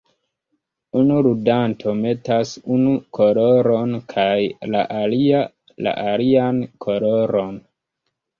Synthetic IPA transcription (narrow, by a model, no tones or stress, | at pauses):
unuɾudantʰo̞me̞tasunukʰo̞lo̞ɾo̞nkʰajla̰ʔalia | la̰ʔaliankʰo̞lo̞ɾo̞n